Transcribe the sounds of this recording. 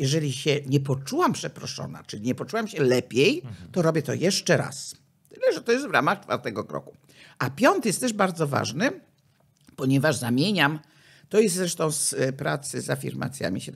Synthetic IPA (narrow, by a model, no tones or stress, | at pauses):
jɛʐɛlʲiɕɛɲɛpɔt͡ʂuwampʂɛpɾɔ̰ʂɔ̰na̰t͡ʂɘlʲiɲɛpɔt͡ʂuwamɕɛlɛpʲjejt̪ɔɾɔbʲjɛt̪ɔ̰jɛʂt͡ʂɛɾa̰s | t̪ɘlɛʐɛt̪ɔjɛs̬t̪vɾa̰maxt͡ʂfa̰ɾt̪ɛɡɔkɾɔ̰ku̥ | apʲjɔnt̪jɛst̪ːɛʐbaɾd̪zɔva̰ʐnɨ | pɔɲɛvaʐzamʲjeɲam | t̪ɔjɛst̪zɾɛʂt̪ɔ̃w̃spɾa̰t̪sɨzafʲḭɾma̰t̪sʲja̰mʲḭɕɛ